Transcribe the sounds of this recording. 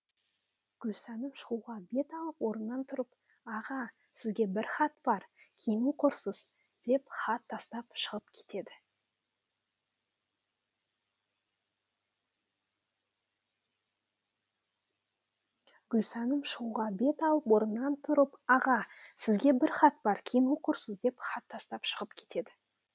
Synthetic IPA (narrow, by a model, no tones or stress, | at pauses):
ɡ̥ʲʏlsɑnəmʃəʁuʁɑbe̞t̪ɑlˠəpwo̞ɾənːɑnt̪ʰʊɾəp | ɑʁɑsɪzɡʲe̞bɪɾχɑt̪bɑɾkʲʰemuqʰʊɾsəz̥d̪̥e̞pχɑt̪ʰːɑst̪ɑpʃəʁəp̚kʲʰe̥t̪e̞d̪ɪ | ɡʲʏlsɑnəmʃəʁuʁɑbe̞t̪ɑw̪ˠəpwo̞ɾənːɑnt̪ʰʊɾəpɑʁɑsɪzɡʲe̞bɪɾχɑt̪bɑɾkʲʰijnuqʰʊɾsəzd̪e̞pχɑt̪ʰːɑst̪ɑpʃəʁəpkʲʰe̥t̪e̞d̪ɪ